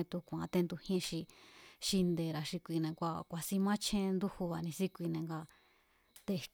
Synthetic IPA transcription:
ẽ˧t̪u˧kʷã̰˨˦t̪e˧nd̪u˧hĩ˦ʃi˧ʃi˧nd̪e˨ɾa˨ʃi˧kʷi˧nẽ˧kʷa˧kʷa˨si˧mã˦t͡ʃʰẽ˦˧nd̪u˦hu˧βa˨nĩ˧si˦kʷi˧nẽ˧ŋɡa˧ | t̪e˧

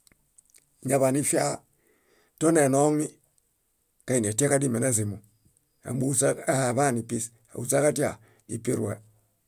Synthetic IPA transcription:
ɲa˨βa˨ni˦fi˦a˦ | to˦ne˨no˦ŋi˦ | ka˨i˨ni˨a˨ta˦ka˦di˦me˨na˦z̬i˨mu˨ | a̰˨mbu˦sa˦a˦ha˨ba˦˨ni˨pi˦s | a̰˨u˨za˦ka˦ti˦a̰˨ | dḭ˨pi˦ɾwḛ˨

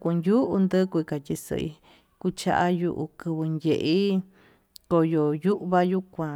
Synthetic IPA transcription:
kʷu˧nju˦ʔu˧nd̪ɨ˦kʷka˨t̪ʲi˧sɨ̰˧ʔḭ˧ | ku˧t͡ʃa̰˧ʔa˦ju˧ʔu˧kɨ˧βɨ˧ndʲe˨ʔi˦ | ko˧jo˨ju˦ʔβa˦ju˦kʷã˧

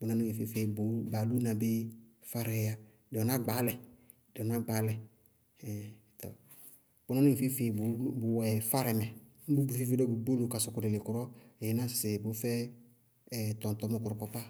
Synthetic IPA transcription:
bʊ˨˦na˦nʊ˦i˨fɪ˦fe˨bʊ˨˦ba˨lu˦na˨be˦ | fa˦ɾɛ˨ja˦ | dɪ˨ɔ˨na˦ɡ͡baː˨˦lɛ˨ | dɪ˨ɔ˨na˦ɡ͡ba˨˦lɛ˨ | tɔ̰˨ | b̥ʊ˦na˦nʊ˦ĩ˨fɪ˦fe˨bbʊ˨ɛ˨fa˦ɾɛ˨mɛ˨ | m̩˦bu˦ɡ͡bfɪ˦fɪ˦dɔ˦bu˨˦ɡ͡bo˦lo˨ka˨sʊ˨kʊ˨dɪ˨lɪ˨kʊ˨ɾɔ˦e˨ɪ˨˦na˦sɪ˨bʊ˨˦fɛ˦˨ | t̪ɔ˨tɔ˨˦mɔ˦kʊ˨ɾɔ˨kɔ˨pa˦

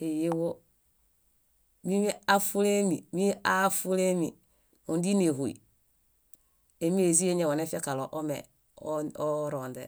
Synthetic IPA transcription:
e˨je˦wo˦ | mi˦mi˦a˦fu˦le˦mi˨mi˦a˦fu˦le˦mi˨ | u˨ndi˦ne˨ɦu˨ḭ˨ | e˨mi˦e˨zi˦e˦ɲe˨wo˨ne˦fe˦ka˨lo˨ʔo˦mḛ˨ | o˦ɾo˨ndḛ˨

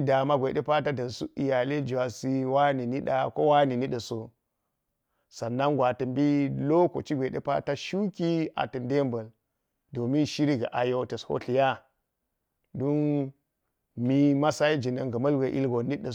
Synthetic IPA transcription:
da˨ma˦ɡʷe˨de˦pa˦ta˦dɐ˨nsu˦i˨ja˨le˦d͡ʒu˨wa˨si˦wa˦ni˨ni˦ɗa˦ko˦wa˦ni˨ni˦ɗə˨so˨ | sa˨nːa˦ŋɡʷa˨tə˨mbi˦lo˦ko̰˨t͡ʃi˦ɡʷe˨ḛ˦pa̰˦ta˦ʃu˦ki˦a̰˨tə˨nde˦mbɐ˨l | do˨mi˦nʃi˦ɾi˦ɡa̰˨ʔa˨jo˦tɐ˨sho̰˦ɬi˨ja˦ | do˦n | mi˦ma˦sa˦i˦d͡ʒi˨na˨ŋɡɐ˨mɐ˦lɡʷe˨ʔḭ˦lɡo˨ni˦ɗə˨

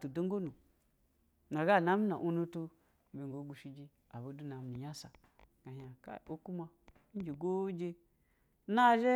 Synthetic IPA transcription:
tu˨do˦ŋ˦ɡo˦nu˨ | na˨ɡa˦˨na˦mi˦na̰˨ʔu˦nu˦to˦ | be˨ŋɡo˨˦ɡ͡bu˨ʃi˨˦d͡ʒi˦ | a˨bo˨˦du˦na˨m˨ni˨ja˦sa˨ | ɡa˨ha˨ka̰˦˨o˦ku˦ma˦ | d͡ʒe˨ɡo˦d͡ʒe˦ | na˦ʒe˦

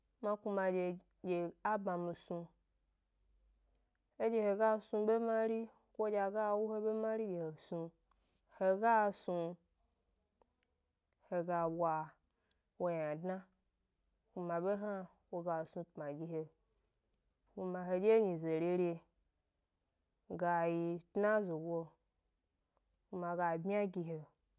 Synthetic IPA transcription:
mã˦ku˧ma˧d͡ʒe˧ | je˨a˦ba˨mĩ˧sũ˧ | e˦d͡ʒe˦he˧ɡa˦sũ˧be˦ma˦ɾi˦ | kʷo˦d͡ʒa˧ɡa˦wu˦he˦be˦mã˦ɾi˦je˨he˨sũ˧ | he˨ɡa˦su˧ | he˨ɡa˨wa˨ | wo˧ja˨dna˦ | hʷu˧mã˨ɓe˦ɦa˦ | wo˧ɡa˨sũ˧tmã˨ɡʲi˧he˧ | hu˧mã˧ɦe˧d͡ʒe˦ɲi˨ze˨ɾʲe˧ɾʲe˧ | ɡa˨ji˧tna˦zo˨wo˧ | ku˧mã˨ɡa˨bʲi˦a˦ɡi˧ɦe˨

